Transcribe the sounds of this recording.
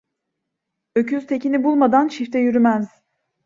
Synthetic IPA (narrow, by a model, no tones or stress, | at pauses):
ø̞cʰyzt̪ʰe̞cinibulˠmad̪ant͡ʃift̪ʰɛjyɾymæz̥